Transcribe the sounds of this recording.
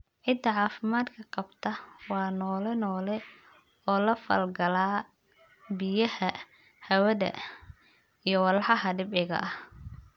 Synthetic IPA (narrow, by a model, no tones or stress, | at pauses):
ʕɪd̪ːɐʕɑːfɪmaːd̪kʰɐqɑbt̪ʰɐwɑːnɔːlɛnɔːlɛ | ɔːlɐfɐ̰lɡɐlaː | bɪjɐhɐ | hɐwɐðɐ̰ | ijɞwɑlħɑɦɐɖɪbʕɪɣɐ̰ʔɐh